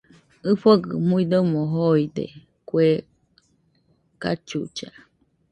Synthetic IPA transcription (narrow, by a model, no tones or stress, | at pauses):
ɨfoɡɨmuid̪omoɦoid̪ḛ | kwe | kat͡ʃṵt͡ʃa̰